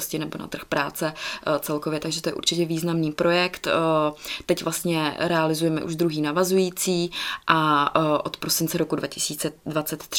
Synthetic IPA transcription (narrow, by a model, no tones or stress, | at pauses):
scɪnɛbona̰t̪r̩xpɾaːt͡sɛt͡sɛlkovjɛt̪aɡʒɛt̪ojɛʔṵɾt͡ʃɪcɛviːznamniːpɾo̞jɛkt̪ | t̪ɛcvlast̪ɲɛɾɛalɪzujɛmɛ̰ʔṵʒd̪ɾuɦiːnavazujiːt͡siːʔaʔo̞t̪pɾo̞sɪnt͡sɛɾo̞kudvacɪsiːt͡sɛdvat͡sɛt̪ː